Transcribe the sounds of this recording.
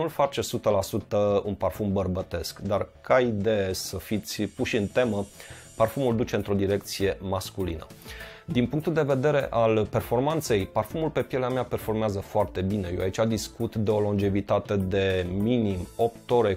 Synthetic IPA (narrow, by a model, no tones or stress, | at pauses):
ulfat͡ʃesut̪əlasut̪əunparfumbərbət̪e̞skd̪arkʰaid̪e̞jesəfit̪sʲpuʃɨnt̪e̞mə | parfumuld̪ut͡ʃe̞ɨnt̪ɾo̞d̪iɾe̞k̚t̪sije̞maskulḭnə̰d̪inpuŋk̚t̪uld̪e̞ve̞d̪e̞ɾe̞ʔalpe̞rfo̞rmant̪se̞jparfumulpe̞pjeleameape̞rfo̞rmeazəfoart̪e̞bine̞jo̰ait͡ʃad̪iskut̪d̪eo̞lo̞nd͡ʒe̞vit̪at̪e̞d̪e̞minimo̞p̚t̪o̞ɾe̞